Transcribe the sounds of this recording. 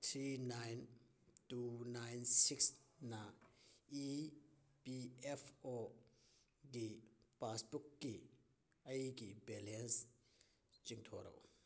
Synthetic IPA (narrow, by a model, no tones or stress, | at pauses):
t̪ʰɾinajn | tunajnsiksnai | piɛfʰɔ | ɡipasbukːi | ɐjkibɛlɛns | t͡ʃiŋt̪ʰɔɾɐ̰w